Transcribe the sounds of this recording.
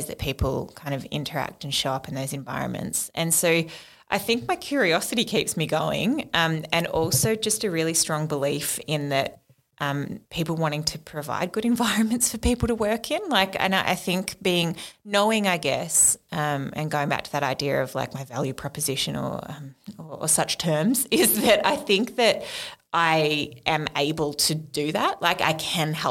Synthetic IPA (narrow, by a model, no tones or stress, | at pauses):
zðɨ̰t̚pʰipʰl̩ˠkʰãɪ̃ndʌvɪ̰̃ntʰə˞æ̰k̚tn̩ʃɑʊʌpn̩ðoʊzɨ̃ɱva̰ɪɹɨ̰̃nmɨ̰̃ntsʔɨ̃nsoʊ | ʔaɪθɪ̃ŋk̚maɪkʰj̥ʊɹiɑsɨɾikʰipsmiɡoʊɪ̰̃ŋʔʌ̃mɨ̃nɔ̰lˠsoʊd͡ʒʌstɨɹɪlˠistɹ̥ɔ̃ŋbəlifɪ̃nðɨt̚ | ʔʌ̃mpʰipl̩ˠwɑ̃ɾ̃ɪ̃ŋtʰɨpʰɹ̥ɨva̰ɪd̚ɡʊɾɨ̃ɱvaɪɹɨ̃nmɨ̃ntsfə˞pipl̩ˠɾəwɜ˞kʰɪ̃nlaɪkɨ̰̃nʔa̰ɪθɪ̃ŋkb̥iɪ̃ŋnoʊɪ̃ŋaɪɡɛsʌ̃mɨ̰̃nɡoʊɪ̃ŋbæ̰k̚tʰɨðɨɾaɪdiɨʌ̰v̥la̰ɪk̚maɪvæ̰lˠjʉpʰɹ̥ɑpɨzɪʃɨ̰̃nə̰˞ʌ̃məə̰sʌt͡ʃtʰɜ̃˞mzɪzðɨɾaɪθɪ̃ŋk̚ðɨɾʔaɪʔɨ̃meɪbəl̩ˠtʰɨdɨðæʔ̚lʔaɪka̰ɪkʰɨ̃nhɛlˠ